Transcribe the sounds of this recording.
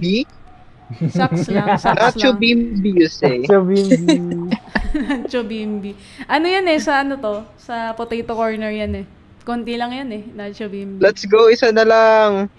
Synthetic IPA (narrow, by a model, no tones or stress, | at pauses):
bi | sakslasanaobimbisɛb | nat͡ʃobimbi | ʔɐnojanɛsɐʔɐnot̪o̞sɐpot̪ɛjt̪okoɹnɛɹjanɛ | kont̪ilɐŋjanɛnat͡ʃobimblɛt̪sɡowɪsɐnɐlaŋ